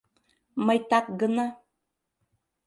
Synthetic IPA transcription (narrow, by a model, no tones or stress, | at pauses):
majtak̚ɡɨna